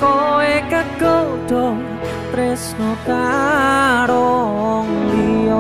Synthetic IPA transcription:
koekəɡ̥od̪̥ɔ | t̪ɾesnot̪a | ɾɔŋliɔ

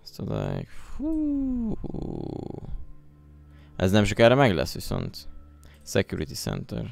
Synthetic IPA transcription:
st̪od̪a̰jkfu | ʔɛznɛmt͡ʃokɛɾɛmɛɡlɛ̰sːʋiso̞̰nt̪ | sɛkjuɾit̪isɛ̰nt̪ɛr

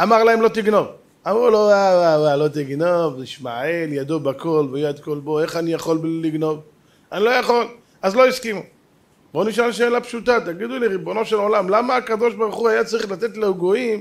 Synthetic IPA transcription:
amaʁlaemlo̞t̪iɡno̞v | amʁulowawawalo̞t̪iɡnovtiʃmaʕeljad̪obakʰo̞lvejad̪ko̞lbo̞e̞χanijaχo̞lliɡno̞v | anilo̞jaχo̞l | azlo̞iskimu | bo̞niʃalʃelapʃut̪at̪aɡid̪uliʁibo̞no̞ʃelʕo̞lamlamaːkad̪o̞ʃbaʁuχuajat͡saʁiχlat̪e̞t̪leɡoim

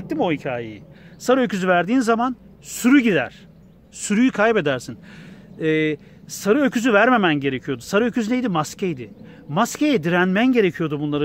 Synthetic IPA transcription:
t̪ːimojicʰaːjejisaɾɯøcʰyzyvæɾd̪iːnzaman | syɾyɟid̪æ̰ɾ̥ | syɾyjykʰajpe̞d̪æɾsinɛː | saɾɯøcʰyzyvæɾme̞mænɟe̞ɾecʰijo̞d̪usaɾɯø̞cʰyzynejd̪imascʰɛjd̪ɪ | mascʰejɛd̪iɾænmænɟe̞ɾe̞cʰijo̞d̪ubunlˠaɾɯ

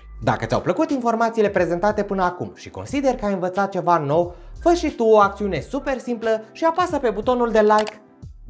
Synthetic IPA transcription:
d̪a̰kət̪ʲawpləkut̪info̞rmat̪siːle̞pɾe̞ze̞nt̪at̪e̞pɨnəakṵmʃiko̞nsid̪e̞rkəajɨnvət̪sat̪̚t͡ʃe̞vano̞wfət͡ʃʃit̪uoak̚t̪siune̞supe̞rsimpləʃiapasəpe̞but̪o̞nuld̪e̞lajk

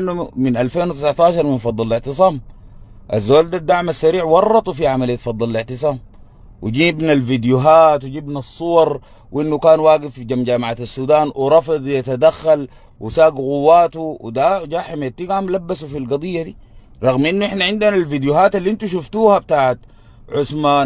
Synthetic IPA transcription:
nːuminʔalfeːnwit̪ɪsʕt̪aːʃɑɾˤminfɑd̪ˤːɑllɪʕt̪ɨs̬ˤɑːm | ʔazːawaːld̪ad̪ːaʕmasːaɾiːʕwɑrˤːɑt̪ˤufiʕamalijːat̪fɑd̪ˤːɑllɪʕt̪ɨs̬ˤɑːm | wid͡ʒiːbnalvid̪juɦaːt̪wiɟiːbnasˤːuwɑɾˤ | wʔinːukaːnwaːɡifːiɟamd͡ʒaːmaʕaːt̪asːuːd̪aːnwiɾˤɑfɨd̪ˤjat̪ad̪axːal | wisaːɡɣuwːaːt̪uwid̪ad͡ʒaːħimaat̪ːiɡamlabːasufilɡɑd̪ˤɨjːad̪iː | ɾˤɑɣmʔinːuɪħnaʕɪnd̪unalvid̪juɦaːt̪alːiʔint̪uʃuft̪uːhab̚t̪aːʕat̪ | ʕʊsmaːn

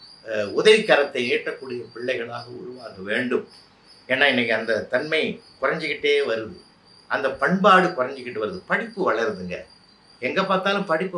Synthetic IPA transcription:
ʊðɐlɪkːɐɾɐt̪ːɐɪeːʈrɐkːuːɽɪjɐpɪɭːɐɪɣɐɭaːɣɐʊ̰ɾʊʋaːkɐʋeːɳɖɯm | eːnːaːɪnːɐkːɯɐnd̪ɐt̪ɐnmɐɪkʊrɐɲd͡ʒɯkːɪʈːeːʋɐɾɯðɯ̰ | ʔɐnd̪ɐpɐɳbaːɽɯkʊrɐɲd͡ʒɯkːɪʈːɯʋɐɾɯðɯpɐɽɪpːɯʋɐɭɐɾðɯŋɡɐ̰ | ɛŋɡɐpaːɾt̪aːlɯmpɐɽɪpːɯ

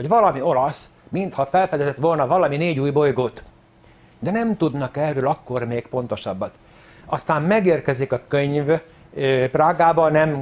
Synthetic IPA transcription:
hoɟʋɒlɒmio̞lɒs | mint̪hɒfɛlfɛd̪ɛzɛt̪ʋo̞lnɒvɒlɒmineːɟuːjbo̞jɡoːt̪ | d̪ɛnɛmt̪ud̪nɒkɛrøːlɒkːo̞rmeːkpo̞n̪t̪o̞ʃɒbːɒt̪ | ɒst̪aːmmɛɡeːrkɛzikɒkøɲv | praːɡaːbɒnɛm

